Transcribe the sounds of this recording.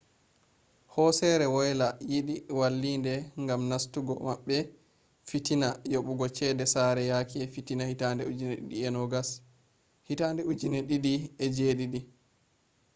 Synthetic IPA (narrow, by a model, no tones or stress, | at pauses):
hɔsɛɾɛwɔjlajiɗiwalːiːndɛŋɡamnastuɡɔ̰maɓːɛ | fitinajoɓuɡɔt͡ʃɛdɛsaɾɛjakiɛfitinahitandɛud͡ʒineɗḭɗiɛnɔɡas | hitandɛud͡ʒineɗiɗiɛd͡ʒeɗiɗi